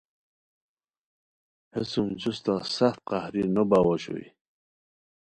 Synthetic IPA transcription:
hesumd͡ʑust̪asaxt̪̚qahɾinobawaɕo̰ḭ

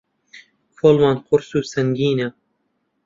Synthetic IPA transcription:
fʰolˠmɑnqʰʊɾsuːsɐŋɡʲiːna

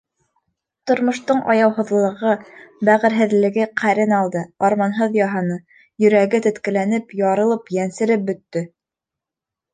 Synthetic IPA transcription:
t̪ŏɾmŏʃt̪oɴʔɑ̰jɑwɦɤ̆ðlˠɤ̆ʁɤbæʁɘ̆ɾɦɘ̆ðlɘ̆ɡɘqʰæɾɘnɑlˠd̪ɤɑɾmɑnɦɤðjɑɦɑnɤ | jɵ̆ɾæɡɘt̪ɵ̆t̪kɘ̆lænɘpjɑɾɤ̆lˠɤpjænsɘ̆ɾɘp̚bɵ̆t̪ːɵ

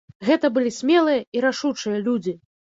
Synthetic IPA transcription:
ɣɛt̪ɐbɨlʲisʲmʲɛlˠɨjɐiɾaʂut͡ʂɨjɐlʲud͡zʲi

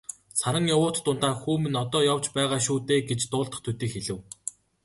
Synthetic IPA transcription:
saɾə̆ŋjawʊːt̪ːʊnt̪aːxuːmɘ̆nɔt̪ɔːjaw̥t͡ɕpæːʁaːʃuːt̪eːɡet͡ɕt̪ʊːɮt̪ə̆χt̪ʰut̪iːkxeɮɘ̆w

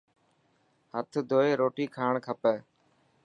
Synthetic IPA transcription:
hət̪ʰd̪ʱoːeːɾoːʈiːkʰaːɳkʰəpɛː

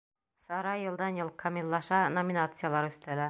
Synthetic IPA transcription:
sɒɾɑjɤ̆lˠd̪ɑnjɤ̆lˠkʰɐmʲilˠːɑʃɑnomʲinat̪sɨjalˠɑɾʉ̆st̪ælæ

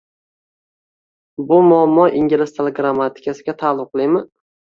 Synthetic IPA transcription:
bʊmʊamːɒʔiŋɡʲɪlɪst̪ʰeleɡɾamːat̪ʰɪ̥kʲʰasɪɡʲat̪ʰaːlˠʊp̚qʰɨlˠɪjmɪ

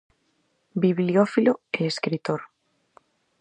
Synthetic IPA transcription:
biβliofiloeːskɾit̪oɾ

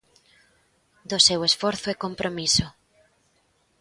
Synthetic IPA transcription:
d̪ʊsewesfɔɾθʊɛkompɾomisʊ

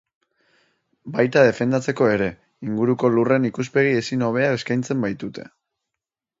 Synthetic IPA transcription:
bajt̪aðe̞fe̞nd̪at͡se̞ko̞e̞ɾe̞ | iŋɡuɾuko̞lure̞nikuspe̞ɣ̞ie̞sino̞β̞e̞ae̞skajnt͡se̞mbajt̪ut̪e̞̥̰

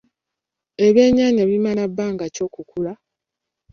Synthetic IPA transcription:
e̞βjeːɲaːɲaβimalabːaːŋɡaco̞ːkukula

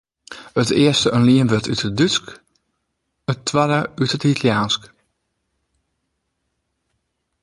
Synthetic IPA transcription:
ətɪːəstəʔənliənʋøtytədytsk | ətʰːʋadəytətitʰəljaːnsk

